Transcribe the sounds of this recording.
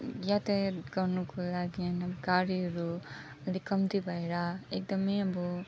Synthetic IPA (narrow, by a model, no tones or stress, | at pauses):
jat̪ajt̪ɡʌrnukolaɡiʌnʌbɡaɾiɦʌɾu | ʌlikʌmt̪ibʱʌeɾʌekd̪ʌmejʌbʌ